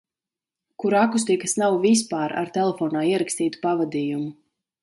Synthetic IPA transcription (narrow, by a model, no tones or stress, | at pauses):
kuɾakus̬t̪ikasnawvispaːɾa̰ɾt̪ɛlˠɛfɔːnaːiɛɾakst̪iːt̪u̥pavad̪iːjumu